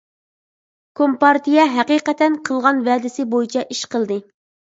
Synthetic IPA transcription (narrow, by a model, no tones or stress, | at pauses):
kʰompɑɾt̪ijɛɦɛqiːqɛt̪ʰɛnqʰəlˠʁɑnvɛːd̪ɪsɪbojit͡ʃʰɛʔiʃqəlˠd̪ɨ